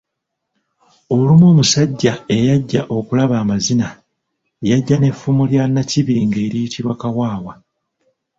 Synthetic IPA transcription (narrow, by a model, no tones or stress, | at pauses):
o̞lumoːmusaɟːae̞jaɟːaʔo̞kulaβaːmazina | jaɟːane̞fːumuljanːaciβiːŋɡe̞ːɾijitʰiβwakawaːwa